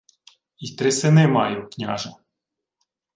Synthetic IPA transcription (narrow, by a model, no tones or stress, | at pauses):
it̪ɾɪsɪnɪmɑjuknʲa̰ʒɐ